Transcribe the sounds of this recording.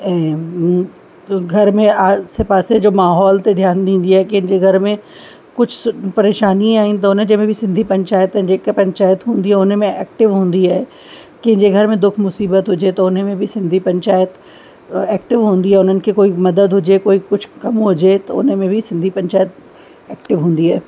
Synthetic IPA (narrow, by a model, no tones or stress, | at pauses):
ɛ | ɡʱɐɾmẽaːsepaːsed͡ʒoːmaːɦɔːlt̪eɖ̪ʱjaːnd̪ĩːn̆d̪iɦɛːkɪ̃ɦɪ̃ɲd͡ʒeɡʱɐɾmẽ | kʊt͡ʃʰpɐɾeːʃaːniẽaːɦĩnt̪ɐʊnɦə̃d͡ʑemẽbʱisɪ̃nd̪ʱipɐ̃ɲt͡ʃaːjət̪d͡ʑeːkepɐ̃ɲt͡ʃaːjət̪ɦũːnd̪iɦɛʊnmẽɛːk̚ʈɪʋɦũːnd̪iɦɛː | kɪɦɪ̃ɲd͡ʒeɡʱɐɾmẽd̪ʊkʰmʊsiːbət̪ɦʊd͡ʒet̪ɐʊnɦmẽbʱisɪ̃nd̪ʱipɐ̃ɲt͡ʃaːjət̪ | ɛːk̚ʈɪʋɦõːnd̪iɦɛːʊnɦənɪ̆kikoːimɐd̪əd̪ɦʊd͡ʒekoːikʊt͡ʃʰkɐmɦʊd͡ʒet̪ɐʊ̰nɦmẽbʱisɪ̃nd̪ʱipɐ̃ɲt͡ʃaːjət̪̚ | ɛːk̚ʈɪʋɦũːn̆d̪iɦɛː